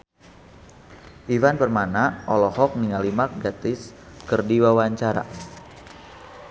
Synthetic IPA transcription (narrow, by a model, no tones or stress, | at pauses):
ʔivanbərmanaʔɔlɔhɔk̚niŋalimak̚ɡat̪ɪs | kərdiwawaɲt͡ʃaɾa̰